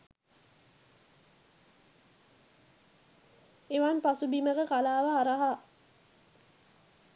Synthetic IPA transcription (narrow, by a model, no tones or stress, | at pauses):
eʋanpasubiməɡəkalaːʋəɦaɾaɦa